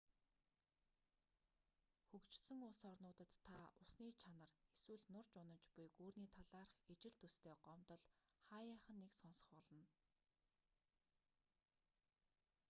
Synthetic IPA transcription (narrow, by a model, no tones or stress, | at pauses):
xɵkt͡ɕsɵ̆ŋʊːsɔrnʊːt̪ə̆t̪ʰːaʊsniːt͡ɕʰanə̆reswɘ̆ɮnʊrt͡ɕʊnə̆nt͡ɕpʊjɡoːrniːt̪ʰaɮaːrχet͡ɕɪ̆ɮt̪ɵst̪ʰeːɢɔmt̪ɞ̆ɮχaːjaːχə̆nːeksɔnsɞ̥̆χpɔɮə̆n